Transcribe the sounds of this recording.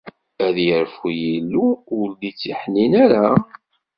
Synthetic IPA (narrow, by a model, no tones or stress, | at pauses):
æðjəɾfujilːuːld̪it͡sːiħninæɾa